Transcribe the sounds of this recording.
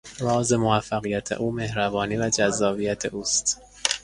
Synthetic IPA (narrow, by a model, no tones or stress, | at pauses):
ɾɒːzemovæfːæɣijæt̪ʰḛʔuːme̞hɾæbɒːniːvæd͡ʒæzːɒːbiːjæt̪ʰeʔuːst̪